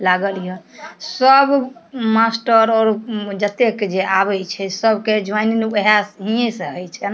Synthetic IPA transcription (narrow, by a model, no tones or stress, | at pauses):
laɡəlijəsəbmasʈəɾɔːɾd͡ʒət̪eked͡ʒeʔabət͡ʃʰɛsəbked͡ʒwajnineɦasɦijesə̃ɦəjt͡ʃʰɛna